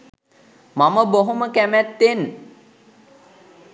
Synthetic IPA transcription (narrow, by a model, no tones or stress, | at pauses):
maməboɦoməkæmæt̪ːen